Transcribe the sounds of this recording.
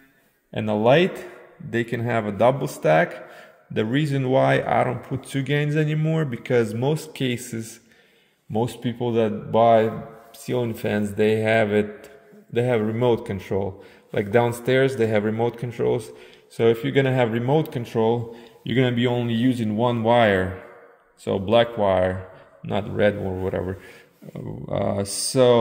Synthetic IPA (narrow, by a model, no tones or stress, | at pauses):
ʔɨ̰̃nðəlaɪt̪ðeɪkʰɨ̃nɨvədʌbl̩ˠstæk | ðɨɹizɨ̃nwaɪʔa̰ɪɾõʊ̃npʰʊtʰʉɡẽɪ̃mzɛnimɔɹbɨkʰʌzmoʊstkʰeɪsɨz̥ | moʊstpipl̩ˠðɨt̚baɪsilˠɪ̃ŋfæ̃nzðeɪɨvɪt̚ðeɪɨvɹɨmoʊt̚kʰɨ̃ntʰɹ̥oʊlˠ | la̰ɪk̚d̥ãʊ̃nstɛɹzðeɪɨvɹɨmoʊt̚kʰɨ̃ntɹ̥o̰ʊlˠz̥ | soʊɨfjə˞ɡʌñɨɨvɹɨmoʊt̚kɨ̃ntʰɹ̥oʊlˠjə̰˞ɡʌnɨbiõʊ̃nlijʉzɪ̃ŋwʌ̃nwaɪə˞ | so̰ʊblækʰwaɪə˞ | nʔə̰t̚ɹɛdə˞wʌɾɛ̰və˞ | ʌ̰soʊ